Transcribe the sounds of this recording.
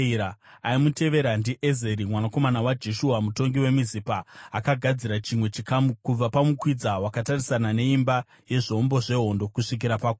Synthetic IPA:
ɾaaimute̞ʋe̞ɾandiʔezeɾimwanako̞manawad͡ʒe̞ʃuɦamuto̞ŋɡiwe̞mizipaːkaɡʱad͡ziɾat͡ʃimwe̞t͡ʃikamukub͡vapamukwid͡zawakatarisanane̞imba | je̞ʐombo̞ʐe̞ɦo̞ndo̞kuʂik̬iɾapako

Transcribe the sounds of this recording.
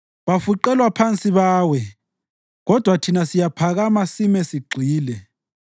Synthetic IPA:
βafuǃɛlwapʰant͡sʼiβaːwɛ | ɣɔd̥ʱwatʰinasijapʰaɣamasimɛsiɡ͡ǀʱiːlɛ

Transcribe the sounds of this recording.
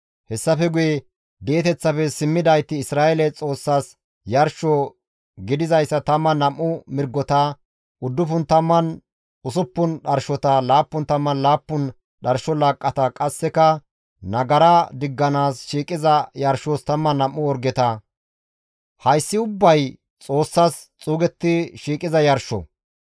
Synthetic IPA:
hɛsːɐfɛɡʊjɛ | be̞ːt̪ɛt͡sːɐfɛsɪmːɪd̪ɐjt̪ːɪːsɾaːɛlɛt͡sʼo̞ːsːaːs | jɐɾʃɔ | ɡɪd̪ɪzɐjsːɐt̪ɐmːɐnɐmːʊmɪɾɡːɔt̪ɐ | ʔʊd̪ːʊfʊnt̪ɐmːɐn | ʊsʊpːʊnɗɐɾʃɔt̪ɐlaːpːʊnt̪ɐmːɐnlaːpːʊn | ɗɐɾʃɔlaːkʼːɐt̪ɐkʼɐsːɛkɐ | nɐɡɐɾɐd̪ɪɡːɐnaːsʃiːkʼɪzɐjɐɾʃoːst̪ɐmːɐnɐmːʊɔɾɡɛt̪ɐ | hɐjsːɪʊbːɐj | t͡sʼo̞ːsːas | t͡sʼuːɡɛt̪ːɪʃiːkʼɪzɐjɐɾʃɔ̰

